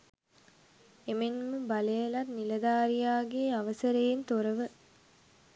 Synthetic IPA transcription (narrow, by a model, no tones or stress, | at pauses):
emenməbɐlejɐlɐrnilɐd̪aːɾijaːɡeːɐʋɐsɐɾejent̪oɾɐʋɨ